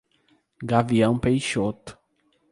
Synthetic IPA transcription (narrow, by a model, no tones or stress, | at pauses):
ɡaviɐ̃w̃pejʃot̪